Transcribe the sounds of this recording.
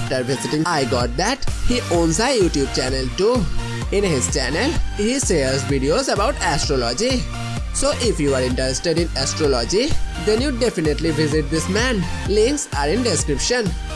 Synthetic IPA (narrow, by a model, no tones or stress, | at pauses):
fʈəɾʋɪzɪʈɪ̃ŋaɪɡɔːʈ̚d̪æʈhiʔõːnzaɪjuːʈjuːb̚t͡ʃænəlʈu | ɪ̃nhɪz̥t͡ʃænəlhisezʋiɖiozəbaʊʈæsʈɾɔlɔd͡ʒi | soːʔɪfjuːʋəɾɪ̃ɳʈəɾesʈeɖɪ̃nɛsʈɾɔlɔd͡ʒid̪ɛ̃njuɖefɪneʈliʋɪzɪʈ̚d̪ɪsmæ̃n | lĩŋksaɾɪ̃nɖeskɾɪpʃə̃n